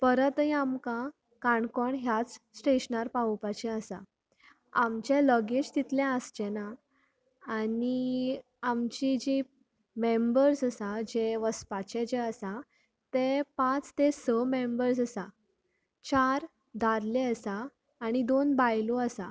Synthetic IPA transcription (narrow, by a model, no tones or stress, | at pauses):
pəɾət̪ɦĩamkã | kaɳkɔɳɦjat͡ssʈeɕnaɾpapat͡ɕɛəsa̰ | amt͡ɕeləɡed͡ʑt̪it̪lɛ̃əsd͡ʑɛnaː | ni | amt͡ɕid͡ʑe | membəɾsəsad͡ʑeʋəspat͡ɕɛ̃d͡ʑeəsa | t̪epãt͡st̪esəmembəɾsəsa | t͡ɕaɾ | d̪ʱaɾlɛəsaː | ñid̪onbajloəsa̰